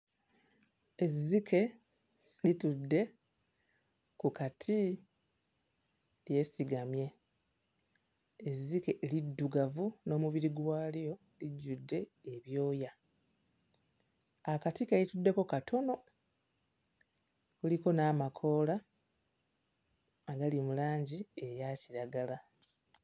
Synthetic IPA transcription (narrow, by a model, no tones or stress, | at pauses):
e̞zːikʰe̞ | litudːe̞ | kukatʰi | lje̞ːsiɡamje̞ | zːikelidːuɡavuno̞ːmuβiɾiɡwaːljjo̞ | liɟːudːe̞ːβjo̞ːja | akatikelitudːe̞ko̞katʰo̞no̞ | kuliko̞naːmakʰo̞ːla | ɡalimulaːɲɟie̞jaciɾaɡala